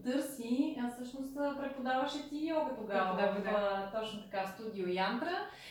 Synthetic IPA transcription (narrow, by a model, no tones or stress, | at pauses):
t̪ɤɾsifsɤʃnost̪ːpɾɛpod̪avəʃɛt̪ijɔɡət̪oɡavəd̪avizət̪ɔt͡ʃnot̪ɐ̥kast̪ud̪ʲiojant̪ɾə